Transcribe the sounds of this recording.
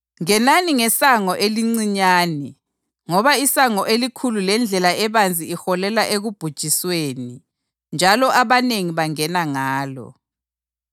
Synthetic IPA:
ŋɛnaniŋɛsaŋɔʔeliŋ͡ǀiɲaːnɛ | ŋɔβaisaŋɔʔelikʰululɛnd͡ɮʱɛlaɛβand͡zʱiːxɔlɛlaʔeɣub̥ʱud̥ʒ̥ʱisweːni | nd͡ʒʱalɔʔaβaneŋiβaŋɛnaŋaːlɔ̰

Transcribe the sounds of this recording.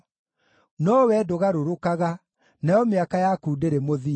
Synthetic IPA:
nɔwɛdoɣaɾoɾokaɣa | najɔmeakajakuːdeɾemoði

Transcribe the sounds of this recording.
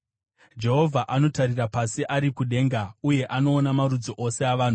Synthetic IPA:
d͡ʒe̞ɦo̞vʱaʔano̞taɾirapasiʔaɾikuɗe̞ːŋɡauje̞ʔano̞ːnamaɾud͡zoʔo̞se̞aʋaːn̤u

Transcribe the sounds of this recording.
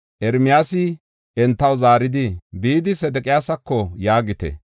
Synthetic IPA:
ʔɛɾmɪjaːsɪ | ɛnt̪ːɐwzaːɾɪd̪ɪbiːd̪ɪsɛd̪ɛkʼɪjaːsɐkːɔjaːɡɪt̪ɛ̰

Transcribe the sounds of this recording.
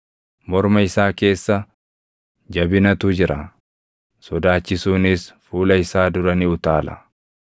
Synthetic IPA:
mɔɾmɐɪsaːke̞ːsːɐ | d͡ʒɐbɪnɐt̪uːd͡ʒɪɾɐ | sɔd̪aːt͡ʃːɪsuːnɪsfuːlɐɪsaːd̪ʊɾɐniʊt̪aːlɐ̰

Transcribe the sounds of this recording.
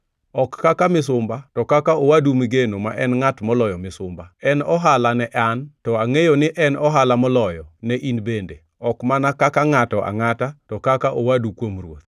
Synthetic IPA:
ɔkːakamɪs̬ʊmbatɔkakaowadumɪɡenomaʔɛnŋatmɔlɔjɔmɪsʊmbaɛnɔɦalanɛʔantɔaŋejonɪʔɛnɔɦalamɔlɔjɔnɛʔinbende | ɔkmanakakaŋatɔʔa̰ŋatatɔkakaʔowadukwomrwot̪̚

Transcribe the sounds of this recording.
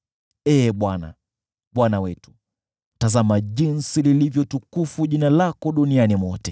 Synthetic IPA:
ɛːɓwana̰ | ɓwanawɛtu̥ | tazamaʄinsililivjɔtukufuʄinalakɔɗunianimɔtɛ

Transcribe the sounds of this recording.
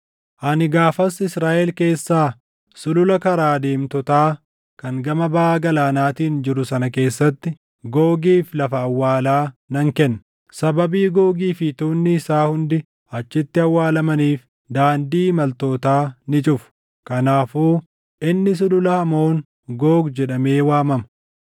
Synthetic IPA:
ʔɐnɪɡaːfɐsɪsɾaːʔɛlke̞ːsːaː | sʊlʊlɐkɐɾaːd̪e̞ːmt̪ɔt̪aː | kɐŋɡɐmɐbɐːɡɐlaːnaːt̪iːnd͡ʒɪɾʊsɐnɐke̞ːsːɐt̪ːɪ | ɡoːɡiːflɐfɐːwːaːlaːnɐŋkɛnːɐ̥ | sɐbɐbiːɡoːɡiːfɪt̪uːnːɪɪsaːhʊnd̪ɪ | ɐt͡ʃːɪt̪ːɪɐwːaːlɐmɐniːf | d̪aːnd̪iːmɐlt̪o̞ːt̪aːnɪt͡ʃʼʊfʊ̥ | kɐnaːfuː | ɪnːɪs̬ʊlʊlɐhɐmo̞ːŋ | ɡo̞ːɡd͡ʒɛᶑɐme̞ːwaːmɐmɐ

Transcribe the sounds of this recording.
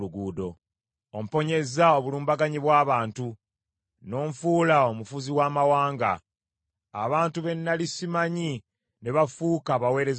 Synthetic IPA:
luɡuːdo̞ | om̩po̞ɲe̞zao̞βuluːmbaɡaɲiβwaːβaːntu | no̞ːɱfuːlao̞mufuziwaːmawaːŋɡa̰ː | βaːntuβe̞nːalisimaɲi | ne̞βafuːkaβawe̞ːɾe̞z

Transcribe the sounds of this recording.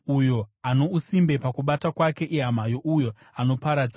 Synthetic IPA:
ujo̞ano̞usimbe̞pakuɓatakwake̞ʔiɦam̤ajo̞ʔujo̞ | ano̞paɾad͡za

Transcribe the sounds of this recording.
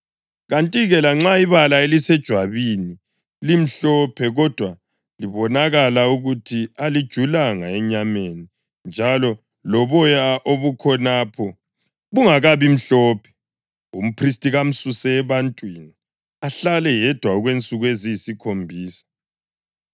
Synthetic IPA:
ɣantʼiɣɛlaŋ͡ǁaiβalaelisɛd̥ʒ̥ʱwaβini | lim̩ɬɔpʰɛɣɔd̥ʱwa | liβɔnaɣalauɣutʰialid̥ʒ̥ʱulaŋaɛɲameni | nd͡ʒʱalɔ | lɔβɔjaʔoβukʰɔnapʰɔ | ɣuŋaɣaβim̩ɬɔːpʰɛ̥ | um̩pʰris̬tʼiɣam̩susɛːβantʼwini | aɬalɛjɛd̥ʱwauɣwent͡sʼuɣweziisikʰombʱiːsḁ

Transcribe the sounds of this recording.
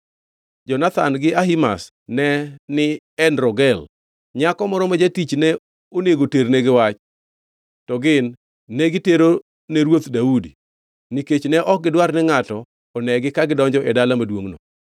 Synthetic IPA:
d͡ʒɔnat̪anɡɪaɦima̰s | nɛnɪ | ɛnɾɔɡɛl | ɲakɔmɔɾɔmad͡ʒatit͡ʃnɛ | oneɡoterneɡɪwat͡ʃ | tɔɡɪnː | ɛɡɪteɾo | neɾwot̪daudi | niket͡ʃnɛʔɔk̚ɡɪdwarnɛŋatɔː | nɛɡɪkaɡɪdɔɲd͡ʒɔʔɛdalamadwoŋno

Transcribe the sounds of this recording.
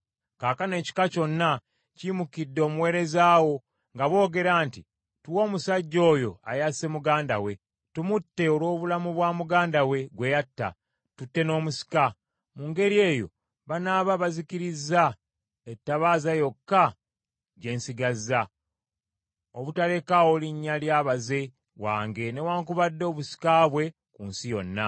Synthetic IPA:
kaːkane̞ːci̥kaco̞nːa | cimukidːo̞ːmuwe̞ːɾe̞zaːwo̞ | ŋɡaβo̞ːɡe̞ɾaːnti | tuwo̞ːmusaɟːo̞ːjo̞̰a̰jase̞muɡaːnda̰we̞ | tumutːe̞olwo̞ːβulamuβwaːmuɡaːndawe̞ɡwe̞jatːa̰ | tutːe̞no̞ːmusi̥ka | muŋɡe̞ɾie̞ːjo̞̰ | βanaːβaβazikiɾizːa | etːaβaːzajo̞kːa | ɟe̞ːnsiɡazːa | oβutale̞kaoliɲːaljaːβaze̞ | waːŋɡe̞ne̞waːŋkuβadːo̞ːβusi̥kaːβwe̞ | kunsijo̞nːa

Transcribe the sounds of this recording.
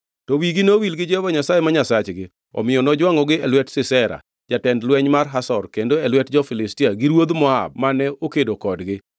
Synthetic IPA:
tɔwiɡinowilɡɪd͡ʒɛbaɲasajemaɲasat͡ʃɡɪ | ɔ̰mɪjɔnɔd͡ʒwaŋɔɡɪɛlwɛtsɪsɛɾa̰ | d͡ʒatɛndlwɛɲmarɦasɔrkendoɛlwɛtd͡ʒɔfɪlɪstiaɡiɾwod̪mɔa̰b̚manɛokedokɔdɡɪ

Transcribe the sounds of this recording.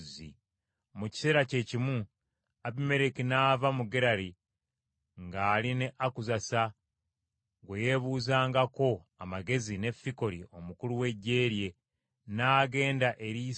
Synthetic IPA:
zḭ | muci̥se̞ːɾace̞cimu | aβime̞ɾekinaːvamuɡeɾaɾi | ŋɡaːlineʔakuzasa | ɡweje̞βuːzaːŋɡako̞ | amaɡe̞zine̞fiko̞ɾiʔo̞mukuluwe̞ɟːe̞ːɾje̞ | naːɡe̞ːndaʔe̞ɾiː

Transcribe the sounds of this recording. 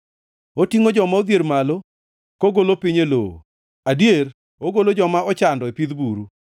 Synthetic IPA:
otiŋod͡ʒɔmaod̪jeɾmalo | koɡolopiɲelo̰o̰ | adjer | oɡolod͡ʒɔmaɔt͡ʃandɔepid̪buɾu

